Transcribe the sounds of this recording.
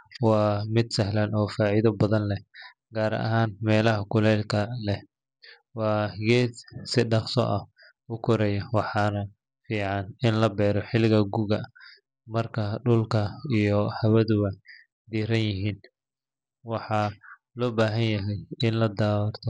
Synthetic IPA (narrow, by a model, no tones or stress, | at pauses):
wɑːmɪd̪sɐɦlɐnɔːfaːʕiðɐbɐðɐnlɛ | ɡaːɾɐ̰ʔɐ̰ɦaːnmɛːlɐɦɐkʰʊlɛlkʰɐlɛ | wɑːɡɛːd̪sɪɖɑχsɔ̰ʔɐh | ʊkʰɔɾɛjɐwɑħɑnɐ | fiːʕɑnɪnlɐbɛːɾɔħɪlɪɣɐɡuɣɐ | mɐrkʰɐɖʊlkʰɐijɔhɐβɐðʊɣɐ | d̪iːɾɐnjɪɦiːn | wɑħɑ | lɔːbaːɦɐnjɐɦɛjɪnlɐd̪aːwrt̪ʰɔ